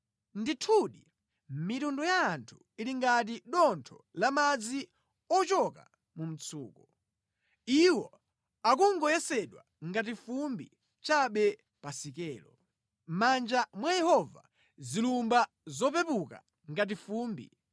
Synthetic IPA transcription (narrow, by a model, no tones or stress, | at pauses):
nditʰuɗi | mitundɔjaːntʰu̥ | iliŋɡat̬iɗɔntʰɔlamad͡zi | ɔt͡ʃɔka̰ | mum̩t͡sʰuːkɔ | iwɔ | ak̬uŋɡɔjɛsɛɗwa̰ | ŋɡat̬ifumbḭ | t͡ʃaɓɛ | pasikɛːlɔ | mand͡ʒamwajɛhɔva̰ | zilumba | zɔpɛpuka̰ | ŋɡat̬ifuːmbḭ